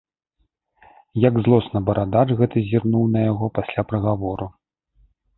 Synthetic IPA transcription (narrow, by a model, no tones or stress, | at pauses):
jɐɡzlˠɔsnɐbɐɾad̪at͡ʂɣɛt̪ɨzʲirnuwnɐjaɣɔpasʲlʲapɾɐɣavɔɾu